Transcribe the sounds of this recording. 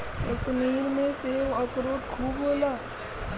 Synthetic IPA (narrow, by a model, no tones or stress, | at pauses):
kəʃmiːɾmẽsewəkɾoːʈkʰuːboːlaː